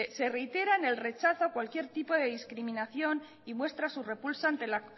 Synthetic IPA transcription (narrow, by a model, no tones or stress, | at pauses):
se̞re̞jt̪e̞ɾaene̞lre̞t͡ʃaθoakwalkje̞ɾt̪ipo̞ð̞e̞ðiskɾiminaθjo̞n | imwe̞st̪ɾasure̞pulsaant̪e̞la